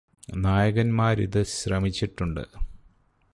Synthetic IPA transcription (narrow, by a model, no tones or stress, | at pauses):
naːjɐɣɐnmaːɾḭðɨɕrɐmit͡ɕːiʈːuɳɖɨ̰